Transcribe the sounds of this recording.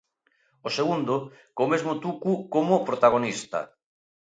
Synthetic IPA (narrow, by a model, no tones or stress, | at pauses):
oseɣund̪o | komezmot̪ukukomopɾot̪aɣ̞onist̪ɐ̰